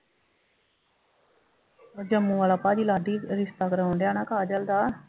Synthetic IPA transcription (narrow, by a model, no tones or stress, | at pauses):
d͡ʒəmːũʋaːlaːpaːd͡ʒilaːɖiɾɪst̪aːkɾəɦõɳɖ̪jaːnãːkaːd͡ʒəld̪aː